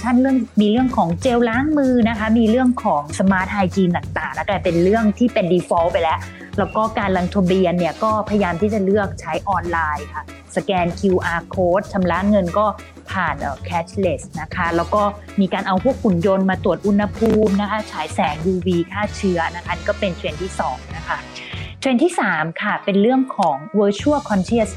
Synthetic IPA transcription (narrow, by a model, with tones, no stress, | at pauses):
t̪ʰa˥˩nlɯ˥˩əŋmiː˧ɾɯ˥˩əŋkʰɔː˩˦ŋt͡ɕeː˧wlaː˦˥ŋmɯː˧na˦˥kʰa˦˥miː˧ɾɯ˥˩əŋkʰɔː˩˦ŋsa˧maː˦˥t̪̚haː˧jt͡ɕiː˧nt̪a˨˩ŋt̪aː˨˩ŋna˦˥kɛ˧˩pe˧nɾɯ˥˩əŋt̪ʰiː˥˩pe˧ndiː˧fɔ˧˦˥wpa˧jlɛ˦˥ʔ | lɛː˦˥wkɔː˥˩kaː˧nla˧ŋt̪ʰo˧mbiː˧ənːi˥˩ɐkɔː˥˩pʰa˧ja˧jaː˧mt̪ʰiː˥˩t͡ɕa˨˩lɯ˥˩ək̚t͡ɕʰa˦˥jʔɔː˧nlaː˧jkʰa˥˩ | sa˧kɛː˧nkʰi˧wʔaː˧kʰoː˦˥t̪̚t͡ɕʰa˧mla˦˥ŋɤ˧nkɔː˥˩ | pʰaː˨˩nʔəː˨˩kʰɛː˦˥t͡ɕʰle˦˥˩s̚na˦˥kʰa˦˥lɛː˦˥wkɔː˥˩ | miː˧kaː˧nʔa˧wkʰu˥˩ək̚ʰːu˨˩˦njo˧nmaː˧t̪u˨˩ət̪ʔu˧˥nha˧pʰuː˧mna˦˥kʰa˦˥t͡ɕʰaː˩˦jsɛː˩˦ŋjuː˧wiː˧kʰaː˥˩t͡ɕʰɯ˦˥ɐna˦˥kʰa˦˥ni˧˩kɔː˥˩pe˧nt͡ɕʰe˧nt̪ʰiː˥˩sɔː˩˦ŋna˦˥kʰa˦˥ | t͡ɕʰwe˧nt̪ʰiː˥˩saː˩˦mkʰa˥˩pe˧nɾɯ˥˩əŋkʰɔː˩˦ŋwəː˦˥t͡ɕʰu˥˩əkʰɔ˧nt͡ɕʰi˦˥˩s